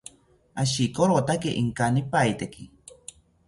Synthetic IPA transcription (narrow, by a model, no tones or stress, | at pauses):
aʃikoɾot̪akeʔiŋkanipajt̪eki